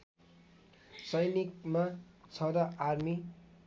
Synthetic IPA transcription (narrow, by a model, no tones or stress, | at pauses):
sʌjnik̚ma | t͡sʰʌɾʌʔarmi